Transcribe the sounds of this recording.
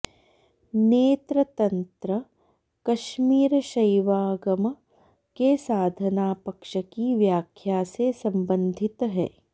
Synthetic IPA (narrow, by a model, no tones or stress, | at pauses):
neːt̪ɾɐt̪ɐnt̪ɾə | kɐʃmiːɾʃɐjʋaːɡɐm | kesaːd̪ʱɐnaːpɐkʃɐkiʋjaːkʰjaːsesɐ̃mbə̃nd̪ʱit̪ɦɛ̰ː